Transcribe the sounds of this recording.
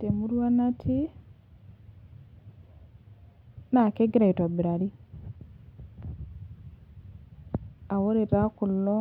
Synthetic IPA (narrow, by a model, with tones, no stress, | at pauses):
te˨mu˦ɾwa˦na˦tʰi˦ | na˨ke˦ɡi˦ɾa˨i˨twa˨bi˨ɾa˨ɾi˦ | a˨wo˦ɾe˨ɾa˦ku˨lːɔ˦